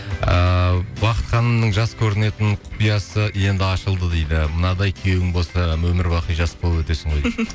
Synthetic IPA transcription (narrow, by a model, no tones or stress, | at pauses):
əbɑqət̪χɑnəmnəɴʒɑskʲʰɵɾɪne̞t̪ɪnqʰʊ̥pijɑsəje̞nd̪ɪɑʃəlˠd̪əd̪ejd̪ɪmənɑd̪ɑjkʲʰewɡʲɪŋbo̞lˠsɑmɵmɪɾbɑqijʒɑspolˠəpwɵt̪e̞sɪɴʁo̞j